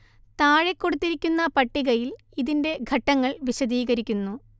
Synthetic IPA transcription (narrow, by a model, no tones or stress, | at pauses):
t̪aːɻekːo̞ɽut̪ːiɾikʲːunːɐpɐʈːiɣɐjil | iðinde̞ɡʱɐʈːɐŋːɐɭʋiɕɐðiːɣɐɾikʲːunːu